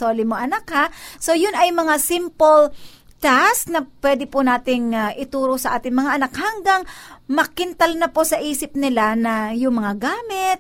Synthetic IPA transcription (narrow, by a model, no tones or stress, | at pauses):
oːlɪmoʔɐnakhaso̞jʊnʔɐjmɐŋasɪmpol | t̪asknɐpwɛd̪ɪpʊnaːt̪ɪŋʔɪt̪uːɾosɐʔaːt̪ɪŋmɐŋaʔɐnakhɐŋɡaŋmɐkɪnt̪ɐlnɐposɐʔiːsɪp̚nɪlanɐjʊŋmɐŋaɡaːmɪt̪̚